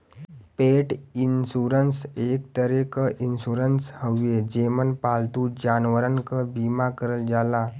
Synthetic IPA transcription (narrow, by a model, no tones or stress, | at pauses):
peʈinsuɾənsek̚t̪əɾekəʔinsuɾənshəwjed͡ʑemənpalt̪ud͡ʑanʋəɾənkəbimakəɾəld͡zala